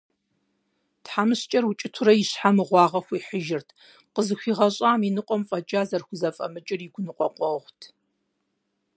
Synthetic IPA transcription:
tħamɨɕt͡ʃʼɐrwut͡ʃʼɪtʰʊɾɐjɪɕħamɨʁʷɑːʁɐxʷiːħəʒɪrtʰ | qəzɨxʷiːʁɐɕʼaːminɨqʷʼɔmfʼɐt͡ʃʼaːzɐrxʷʊzɐfʼɐ̰mɨt͡ʃʼɪriɡʷʊnɨqʷʼɔqʷʼɔʁʷtʰ

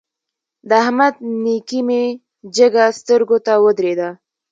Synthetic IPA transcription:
d̪əahmad̪̚nikime | d͡ʒəɡast̪əɾɡot̪awəd̪ɾed̪a

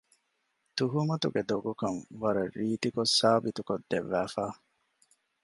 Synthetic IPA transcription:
t̪uɦumɐt̪uɡed̪oɡukɐnʋɐɾɐrːiːt̪ikosaːbit̪ukod̪ːḛʋːæːfaː

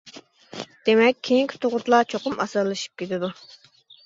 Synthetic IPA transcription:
d̪̥emɛkʲʰːejiŋkʲʰi̥t̪ʰoʁʊt̪lˠɑt͡ʃʰoqʊmɑ̰sɨɾlˠɨʃi̥p̚kʲʰet̪ɪd̪u

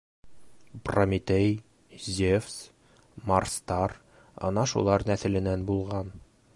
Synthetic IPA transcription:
promʲit̪ej | zʲefs | mɐrst̪ɑɾ | ɒ̰nɑʃṵlˠɑɾnæsɘ̆lɘ̆nænbulˠʁɑn

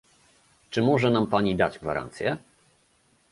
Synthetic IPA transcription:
t͡ʂɘmɔʐɛnampaɲid̪ad͡ʑɡva̰ɾa̰nt̪sʲjɛ

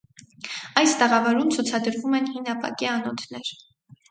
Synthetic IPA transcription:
ɑjst̪ɛʁɑvɔɾumt͡sʰut͡sʰɑd̪əɾvumɛnhinɑpɑ̰kiɑnɔt̪ʰnɛɾ

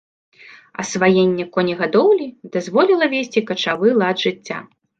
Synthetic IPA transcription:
ɐ̰svajenʲːɛkɔnʲiɣad̪ɔwlʲid̪azvɔlʲilˠɐvʲesʲt͡sʲikɐt͡ʂavɨlˠad̪ʐɨt͡sʲːa̰

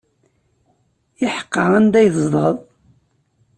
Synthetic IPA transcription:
jɪħə̥qːɑænd̪æjθzˤd̪ˤʁəðˤ

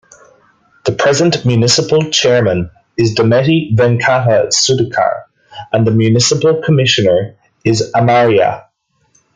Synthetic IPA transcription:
ðəpʰɹ̥ɛzə̃nmjʉnɪsəpəlˠt͡ʃʰɛɹmə̃n | ɪzdəmɛɾivɛ̃nkʰaɾəsʉdəkʰə̰ɹ | ə̃nðəmjʉnɪsəpəlˠkʰəmɪʃənə˞ | ɪzəmaɹiə̰

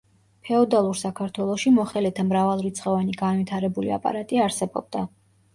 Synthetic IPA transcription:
pʰɛɔd̪alˠuɾsakʰaɾt̪ʰwɛlˠɔʃimɔχɛlɛt̪ʰamɾavalˠɾit̪sʰʼχɛvaniɡanvit̪ʰaɾɛbulḭa̰pʼa̰ɾat̪ʼiaɾsɛbɔ̰b̚d̪̥a

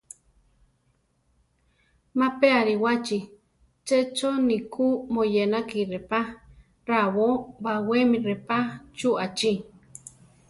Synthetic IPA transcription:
mapeaɾiwat͡ʃi | t͡ʃet͡ʃonikʰumojenakiɾepa | ɾaβobawemiɾepat͡ʃuat͡ʃi

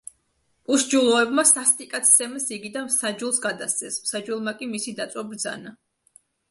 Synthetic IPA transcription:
pʼuʃd͡ʒulˠɔɛbmasast̪ʼikʼat̪ʰsɛmɛsiɡid̪anmsad͡ʒulˠsɡad̪ast̪sʰʼɛsmsad͡ʒulˠmakʼimisid̪at̪sʼwabɾd̪za̰na

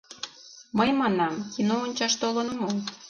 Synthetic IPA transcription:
məjmɑnɑmkinoonʲt͡ɕɑʃt̪olənmom

